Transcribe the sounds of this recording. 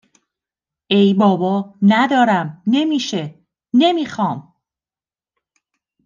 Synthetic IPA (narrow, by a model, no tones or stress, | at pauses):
ʔe̞jbɒːbɒːnæd̪ɒːɾæmne̞miːʃe | ne̞miːxɒːm